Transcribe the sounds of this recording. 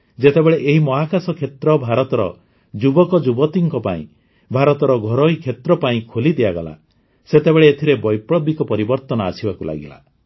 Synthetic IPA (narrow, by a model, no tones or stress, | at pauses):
d͡ʒet̪ebeɭeʔeɦimɔɦakasɔkʰet̪ɾɔbʱaɾɔt̪ɔɾɔ̰ | d͡ʒubɔkɔd͡ʒubɔt̪iŋkɔpaḭ̃ | bʱaɾɔt̪ɔɾɔɡʱɔɾɔɦikʰet̪ɾɔpaĩkʰolid̪iaɡɔla̰ | set̪ebeɭeːt̪ʰiɾebɔjpɽɔbikɔpɔɾibɔɾt̪ɔnɔasibakula̰ɡḭla̰